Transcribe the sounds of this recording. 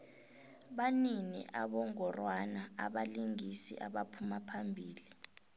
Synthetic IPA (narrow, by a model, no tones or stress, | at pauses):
ɓaninḭʔaɓɔŋɔrwanaːɓaliŋisḭʔaɓapʰumapʰambʱiːli